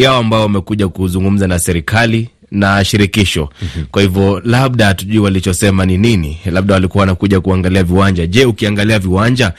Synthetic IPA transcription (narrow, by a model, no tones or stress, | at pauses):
jaɔambajɔwamɛkuʄakuzuŋɡum̩zanasɛɾikali | naʃiɾikiʃɔkwahivjɔlaɓ̚ɗatuʄuːwalit͡ʃɔsɛmanininilaɓ̚ɗawalikuawanakuʄakuaŋɡaliaviwaɲd͡ʒaʄɛukiaŋɡaliaviwaɲd͡ʒa